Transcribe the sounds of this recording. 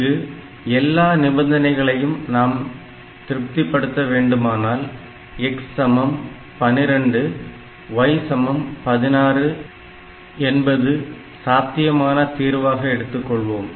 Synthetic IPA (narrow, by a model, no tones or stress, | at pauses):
ɯ | ɛlːaːnɪbɐnd̪ɐnɐɪɣɐɭɐjɯmnaːm | t̪ɪɾɯp̚t̪ɪpːɐɽɯt̪ːɐʋeːɳɖɯmaːnaːl | ɛksːɐmɐm | pɐnɪɾɐɳɖɯ | ʋɐjsɐmɐmpɐðɪnaːrɯ | ɛnbɐðɯ | saːt̪ːɪjɐmaːnɐt̪iːɾʋaːɣɐɛɽɯt̪ːɯkːɔɭʋoːm